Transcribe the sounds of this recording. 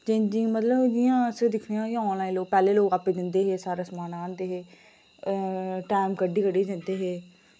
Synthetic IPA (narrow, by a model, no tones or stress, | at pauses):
t͡ʃẽːd͡ʒɪ̃ŋmət̪ləbd͡ʒɪjãːsəd̪ɪkʰneãːɔ̃ːnlaːĩloːɡ̚pɛːleːloːɡaːped̪ɪnd̪eːɦeːsaːɾesmaːnãːnd̪eːɦeː | ʈaːɪmkəɖiːkəɖiːd̪ɪnd̪eːɦeː